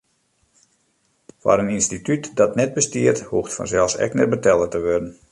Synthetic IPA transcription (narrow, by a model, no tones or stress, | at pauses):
fa̰ɾəninstitytdɔtnɛt̚bəstiərthuxtfɔ̰nzɛlˠfsɛ̰knɛrbətɛlˠətəʋødən̩